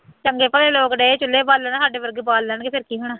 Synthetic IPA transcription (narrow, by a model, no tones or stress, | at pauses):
t͡ʃəŋɡeːpəleːloːkɖeːt͡ʃʊlːeːbaːlːənãːsaːɖeːʋəɾɡbaːlːəːnkepʰɪɾkiːɦʊɳaː